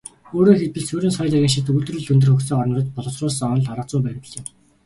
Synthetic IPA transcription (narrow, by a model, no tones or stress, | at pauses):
oːɾoːxet̪wɘ̆ɮsuɾiːnsœjt̪æɣʲĭːŋʃ̬it̪uɮt̪̆rɘ̆ɮunt̪̬ɵ̆rxɵxt͡seːŋɔrnɞ̆rɞ̆t̪pɔɮɞ̆t͡srʊːsɔnɞ̆ɮaɾə̆t͡sʊːpæːr̆pɮɪ̆m